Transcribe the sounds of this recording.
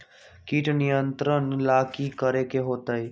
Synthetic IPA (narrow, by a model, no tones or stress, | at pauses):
kiʈnijənt̪ɾənlaːkikəɾekeɦoːt̪əi